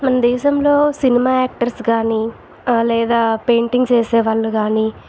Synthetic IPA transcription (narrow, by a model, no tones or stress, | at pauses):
mɐnɐd̪ɛːʃɐmlo̞ːsinimaːaːk̚ʈɐɾskaːni | lɛːd̪aːpeːɳʈiŋɡt͡ʃeːsɛːʋaːɭːuɡaːniː